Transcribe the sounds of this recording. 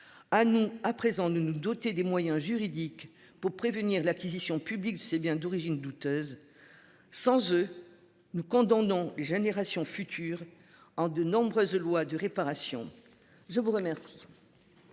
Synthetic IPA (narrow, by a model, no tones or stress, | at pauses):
anuapχezɑ̃d̪ənud̪ɔt̪ed̪emwajɛ̃ʒyʁid̪ik | puʁpχevəniʁlakʲizisjɔ̃pyblik̚d̪əsebjɛ̃d̪ɔʁiʒind̪ut̪øːz | sɑ̃zø | nukɔ̃d̪ɑ̃nɔ̃leʒeneʁasjɔ̃fyt̪ʰyːʁ | ɑ̃d̪ənɔ̃bʁøzlwad̪əʁepaʁasjɔ̃ | ʒəvuʁəmɛʁsi̥